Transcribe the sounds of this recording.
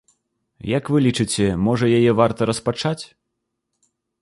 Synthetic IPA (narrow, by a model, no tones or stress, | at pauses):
jakvɨlʲit͡ʂɨt͡sʲɛmɔʐɐjajɛvart̪ɐɾɐspat͡ʂat͡sʲ